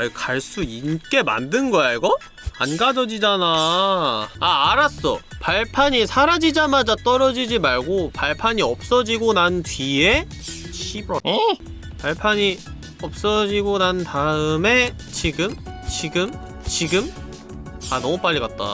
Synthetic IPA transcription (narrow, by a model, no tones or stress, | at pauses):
ikaɭs͈uink͈e̞ma̰ndɯnɡʌjaiɡʌ | a̰nɡad͡ʑʌd͡ʑid͡ʑana | aːɾas͈ʌpaɭpʰaɲisʰaɾad͡ʑid͡ʑamad͡ʑat͈ʌɾʌd͡ʑid͡ʑimaɭɡopaɭpʰaɲiʌp̚s͈ʌd͡ʑiɡonantɥie̞ | ɕi | paɭpʰaɲi | ʌp̚s͈ʌd͡ʑiɡonantaɯme̞ | t͡ɕiɡɯmt͡ɕiɡɯm | t͡ɕiɡɯm | anʌmup͈aʎːiɡat̚t͈a̰